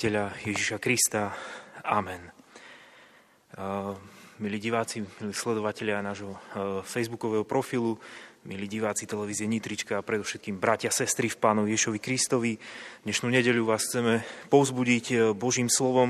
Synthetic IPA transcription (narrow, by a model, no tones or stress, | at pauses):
ɛʎajɛʒiʃakɾist̪aamɛn | miliːɟiʋaːt͡similiːslɛd̪ɔʋacɛʎɪaːnaːʒɦɔfɛjzbukɔʋɛːɦɔpɾɔfilumiliːɟiʋaːt͡sit̪ɛlɛʋiːzɪɛɲit̪ɾit͡ʃkaːpɾɛd̪ɔʊʃɛt̪kiːmbɾacɪasɛst̪ɾifpaːnɔʋiɛʒiʃɔʋikɾist̪ɔʋid̪ɲɛʃnuːɲɛɟɛʎuʋaːsxt͡sɛmɛpɔʊzbuɟicbɔʒiːmslɔʋɔm